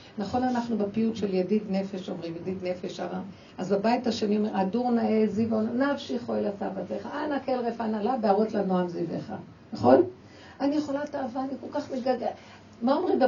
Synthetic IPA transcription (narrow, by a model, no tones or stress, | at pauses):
naχo̞nanaχnubepiutʃe̞ljadidne̞fe̞ʃo̞mʁimjadidne̞feʃaʁa | ʔazbabajitaʃenio̞meʁaduʁnaezivonnafʃiχoelasavateχaʔanakelʁefanalabeaʁotlanoamziveχa | naχo̞l | anijeχo̞lataːvaːniko̞lkaχmeɡaɡ | maomʁimbe